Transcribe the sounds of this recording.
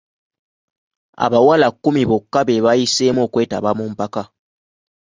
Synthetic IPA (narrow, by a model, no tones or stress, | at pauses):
a̰βawalakːumiβokːaβeβajiseːmwo̞ːkwe̞ːtaβamuːmpaka